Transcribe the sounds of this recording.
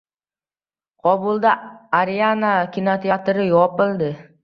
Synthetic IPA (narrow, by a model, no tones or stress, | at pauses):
qʰɒbʊlˠd̪aaɾianakʲʰɪnot̪ʰiat̪ɾɪjɒpɪlˠd̪ɪ